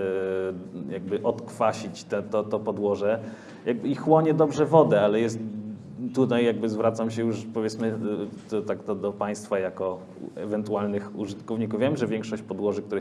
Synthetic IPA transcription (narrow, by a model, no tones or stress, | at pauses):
jaɡ̚bɘʔɔt̪kfaɕit͡ɕt̪ɛt̪ɔt̪ɔpɔd̪wɔʐɛ | jaɡbɘixwɔɲɛd̪ɔbʐɛvɔd̪ɛalɛjɛst̪ː | ut̪ajːjaɡbɘzvɾat̪samɕɛjuʂpɔvʲɛt̪smɘd̪ɔt̪aɡd̪ɔd̪ɔpaj̃st̪fajakɔ | ɛvɛnt̪ualnɘxuʐɘt̪kɔvɲikufvʲjɛmʐɛvʲjɛŋkʂɔɕt͡ɕpɔd̪wɔʐɘk̚t̪uɾɛ